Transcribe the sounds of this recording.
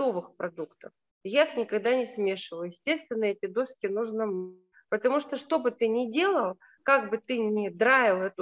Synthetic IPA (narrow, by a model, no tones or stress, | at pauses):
ovɨxpɾɐd̪ukt̪əf | jaixnʲɪkɐɡd̪anʲɪsmʲe̞ʂɨvəlˠjɪsʲtʲe̞st̪vʲɪnːəɛtʲɪd̪o̞skʲɪnuʐnəmnʲ | pət̪ɐmuʂt̪oʂt̪o̞bɨt̪ɨnʲɪdʲe̞lˠəlˠ | kaɡbɨt̪ɨnʲɪd̪ɾavʲɪlˠɛt̪ʊ